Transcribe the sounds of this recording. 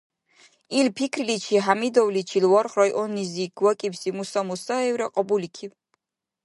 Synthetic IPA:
ilpʰikʰɾlit͡ʃʰiɦamid̪ɔwlit͡ʃʰilwɔɾχɾɔjʔɔnːiziɡ̥wakʼibsimusamusaɛwɾaqʼɔbulikʰiw

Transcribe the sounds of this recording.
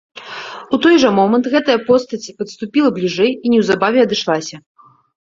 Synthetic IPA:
ut̪ɔjʐɐmɔmɐnt̪ɣɛt̪ɐjɐpɔst̪ɐt͡sʲipɐt̪st̪upʲilˠɐblʲiʐɛjinʲɛwzabavʲɛɐd̪ɨʂlˠasʲɐ

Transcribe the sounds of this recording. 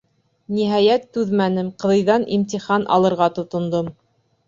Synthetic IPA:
niɦɑjæt̪ːʉðmænɘmqɤ̆ðɤ̆jðɑnʔimt̪iχɑnʔɑ̰lˠɤ̆ɾʁɑt̪ŏt̪ŏnd̪om

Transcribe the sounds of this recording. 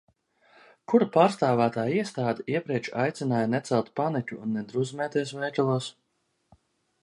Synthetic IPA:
kuɾapaːɾst̪aːvæːt̪aːiɛst̪aːd̪iiɛpɾiɛt͡ʃajt̪sʲinaːjanɛt̪sɛlˠt̪panicʲuːnːɛd̪ɾuzmɛːt̪iɛs̬vɛjt̪ʲulˠuɔs

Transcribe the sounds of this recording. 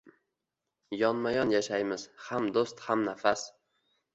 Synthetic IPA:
jɒnmajɒnjaʃajmɪz̥hamd̪ost̪hamnafas

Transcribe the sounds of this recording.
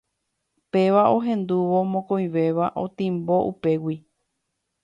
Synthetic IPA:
pe̞ʋaoɦẽ̞nd̪uʋo̞mõkõj̃ʋe̞ʋaʔo̞̰t̪ĩmbo̞ʔupe̞wi

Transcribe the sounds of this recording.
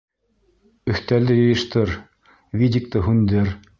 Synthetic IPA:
ɵ̆ht̪ælɘjɤ̆jɤ̆ʃt̪ɤɾ | vʲidʲik̚t̪ɤɦʉnd̪ɘɾ

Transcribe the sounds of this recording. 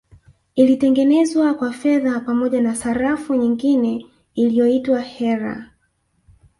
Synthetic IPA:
ilitɛŋɡɛnɛzwakwafɛðapamɔʄanasaɾafuɲiŋɡinɛ | ilijɔitwahɛɾa̰

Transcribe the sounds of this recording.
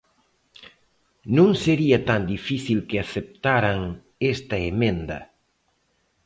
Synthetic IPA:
nũŋseɾiɐt̪and̪ifiθilkɪaθep̚t̪aɾaŋ | est̪ɐemẽnd̪ɐ̰

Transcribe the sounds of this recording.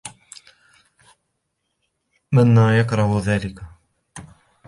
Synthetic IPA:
manːaːjakɾˤɑhʊðaːlɪka

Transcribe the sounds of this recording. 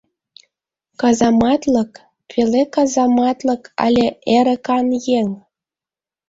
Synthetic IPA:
kɑzɑmɑt̪lɤk | pʰelekɑzɑmɑt̪lɤ̆kʰɑ̰lʲĕʔeɾə̆kɑnjeŋ

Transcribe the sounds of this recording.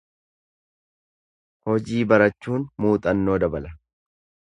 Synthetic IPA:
hɔd͡ʒiːbɐɾɐt͡ʃːuːnmuːt̪ʼɐnːo̞ːd̪ɐbɐlɐ

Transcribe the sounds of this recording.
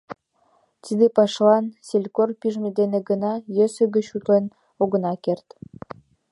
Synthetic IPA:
t̪id̪epɑʃlɑnselʲkorpiʒmed̪eneɡənɑjøsø̆ɣə̆t͡ɕut̪len | oɣə̆nɑkert̪

